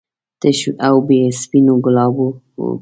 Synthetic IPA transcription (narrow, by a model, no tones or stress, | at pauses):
t̪əʃuʔawbespinoɡʊlɑbo̰